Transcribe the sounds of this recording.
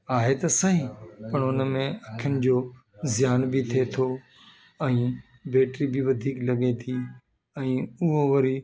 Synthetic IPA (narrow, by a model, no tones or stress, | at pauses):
aːɦet̪ɐsɐɦĩpɐɽʊnəmẽɐkʰjənɪ̆d͡ʑoː | zɪjaːnbʱɪt̪ʰet̪ʰo | ɛ̃ː | beːʈɾibʱɪʋɐd̪ʱiːklɐɠet̪ʰi | ɛ̃ːʊɦoʋɐɾi